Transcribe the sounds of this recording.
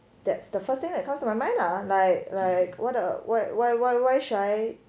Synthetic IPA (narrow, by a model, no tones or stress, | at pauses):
d̥ɛtsd̥əfəst̪ɪ̃ŋdɛt̚kʰãmstumaɪmãɪ̃ndalaɪk̚laɪkwʔɔtəwaɪwaɪwaɪwaɪʃuaɪ